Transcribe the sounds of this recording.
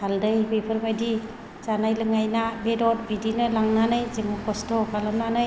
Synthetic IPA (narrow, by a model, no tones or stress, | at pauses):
haldɯjbepʰɯɾbajdi | zanajlɯŋajnabedɔt̚bidinɯlaŋnanɯjziŋɯkɔstɔkʰalɯmnanɯj